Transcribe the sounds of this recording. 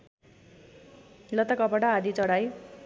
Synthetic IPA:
lʌt̪akʌpʌʈaːd̪it͡sʌɽaj

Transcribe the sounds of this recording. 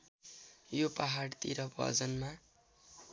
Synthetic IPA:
jopaɦaɽt̪iɾʌbʱʌ̰d͡zʌnma

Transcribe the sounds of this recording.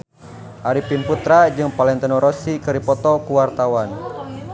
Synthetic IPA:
ʔaɾipinput̪ɾad͡ʒɨŋpalɛnt̪ɛnɔɾɔsikɨɾipɔt̪ɔkuwart̪awan

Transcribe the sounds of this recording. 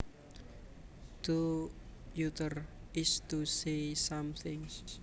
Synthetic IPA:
t̪u | jut̪ərɪst̪usesamθɪ̃ŋs

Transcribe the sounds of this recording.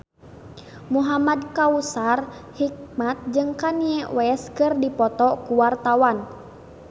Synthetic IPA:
muɦamadkausarhik̚mat̪̚d͡ʒɨŋkaniɛwɛskɨrdipɔt̪ɔkuwart̪awan

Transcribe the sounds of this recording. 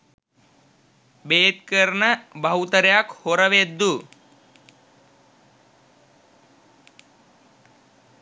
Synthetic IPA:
beːt̪kəɾnəbɐɦut̪əɾejakhoɾəʋed̪ːu

